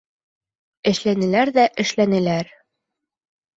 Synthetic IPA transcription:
ɘ̆ʃlænɘ̆læɾðæʔɘ̆ʃlænɘ̆læɾ

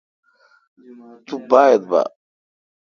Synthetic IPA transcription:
t̪ubaːjed̪̚ba̰

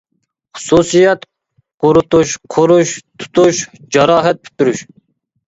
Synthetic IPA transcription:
χʊ̥susijɛt̪ | qoɾut̪uʃqʰoɾuʃt̪ʰu̥t̪ʰuʃ | d͡ʒɑɾɑːɦɛt̪̚pʰy̥t̪ʰːyɾyʃ

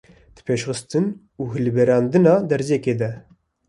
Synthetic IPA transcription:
d̪̥ɨ̥pʰeːʃχɨst̪ɨn | uːɦɨlbɛɾɑːnd̪ɨnɑːd̪ɛɾzɛkeːd̪ɛ

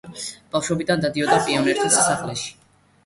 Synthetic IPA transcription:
b̥afʃwɛbid̪and̪ad̪iɔd̪apʼiɔnɛɾt̪ʰisɛsaχlɛʃi̥

